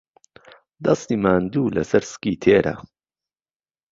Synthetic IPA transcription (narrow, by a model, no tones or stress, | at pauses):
d̪ɐst̪iːmaːnd̪uːlɐ̰sɐɾskiːt̪ʰeːɾɐ̰